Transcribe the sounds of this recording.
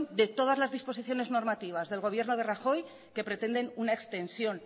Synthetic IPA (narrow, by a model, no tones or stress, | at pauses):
nd̪e̞t̪o̞ð̞azlazðispo̞siθjo̞ne̞zno̞ɾmat̪iβ̞azðe̞lɣo̞β̞je̞ɾnoð̞e̞raxo̞j | ke̞pɾe̞t̪e̞nd̪e̞nunaekst̪e̞nsjo̞n